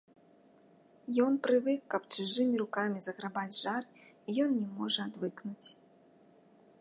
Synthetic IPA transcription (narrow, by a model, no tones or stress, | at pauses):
jɔnpɾɨvɨkːɐpt͡ʂɨʐɨmʲiɾukamʲizɐɣɾabad͡zʲʐarɨ | ijɔnnʲɛmɔʐɐad̪vɨknut͡sʲ